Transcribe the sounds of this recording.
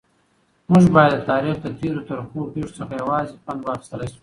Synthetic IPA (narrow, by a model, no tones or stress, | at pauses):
mʊʒbɑjad̪ːət̪ɑɾixd̪ət̪eɾot̪aɾxobeʂot͡səxajawɑzepanwɑxi̥st̪əlaʃu̥